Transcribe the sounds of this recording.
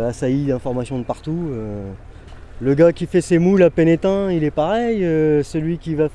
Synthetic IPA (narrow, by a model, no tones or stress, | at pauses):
asaid̪ɛ̃fɔʁmasjɔ̃d̪əpaʁt̪uø | ləɡakʲifɛsemulapenet̪ɛ̃ilɛpaʁɛjøsəlɥikʲiva